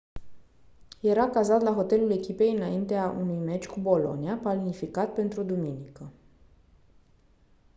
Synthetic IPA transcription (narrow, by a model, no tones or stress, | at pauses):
je̞ɾakazat̪laɦo̞t̪e̞lule̞kʲipe̞jɨnaint̪eaʔṵnujme̞t͡ʃʲkubo̞lo̞̰niapalnifikat̪̚pe̞nt̪ɾud̪uminikə